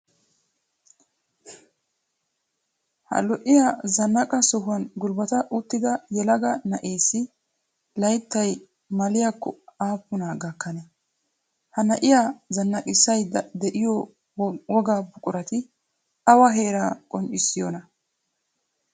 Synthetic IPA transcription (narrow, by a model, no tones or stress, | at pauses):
hɐ̰lɔʔɪjazɐnːɐkʼɐsɔɦʊɐnɡʊlbɐt̪ɐʔʊt̪ːɪd̪ɐjɛlɐɡɐnɐʔeːsːɪ | lɐjt̪ːɐj | mɐlɪjakːɔ̰aːpːʊnaɡɐkːɐnɛ | hɐnɐʔɪjazɐnːɐkʼɪsɐjd̪ɛʔɪjɔ | wɔɡaːbʊkʼʊɾɐt̪ɪ | ɐwɐɦe̞ːɾaːkʼɔnt͡ʃʼɪsːɪjɔnɐ